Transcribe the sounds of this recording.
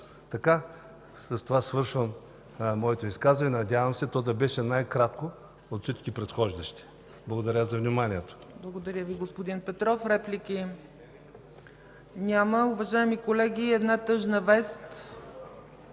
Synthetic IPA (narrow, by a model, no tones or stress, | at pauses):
t̪ɐka | sɐst̪ovasvɤɾʃvəm | mɔɛt̪oiskazvɐnɛnɐdʲjavɐmsɛt̪ɔd̪ɐbɛʃɛnajkɾat̪ko | ot̪fsit͡ʃkʲipɾɛt̪xɔʒd̪ɐʃt̪i̥ | blˠɐɡod̪ɐɾʲəzɐvnimaniɛt̪o̥ | blˠɐɡod̪ɐɾʲəviɡospod̪inpɛt̪ɾɔfɾɛplʲiki | nʲaməʊvɐʒaɛmikolɛɡʲiɛd̪nat̪ɤʒnəvɛst̪